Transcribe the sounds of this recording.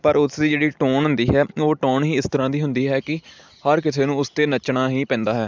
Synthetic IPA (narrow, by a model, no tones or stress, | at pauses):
pəɾʊsd̪iːd͡ʒeːɽiːʈoːɳɦʊ̃nd̪iːɦɛːoːʈoːɳɦiːɪst̪əɾãːd̪iːɦʊnd̪iːɦɛːkɪ | həɾkɪsʰeːnũːʊst̪eːnət͡ʃɳãːɦiːpɛ̃ːnd̪aːɦɛː